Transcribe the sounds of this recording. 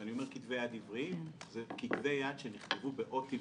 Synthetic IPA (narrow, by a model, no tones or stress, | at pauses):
anio̞me̞ʁkit̪ve̞jad̪ivʁizekit̪ve̞jad̪ʃeniχt̪evube̞ʔo̞t̪i